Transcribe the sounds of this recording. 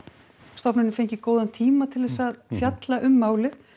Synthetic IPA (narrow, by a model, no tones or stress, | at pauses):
st̪ɔpnɪnɪfejɲcɪkoːwðant̪ʰiːmat̪ʰɪlðɛsaðfjat̪laʔʏmːaːwlɪð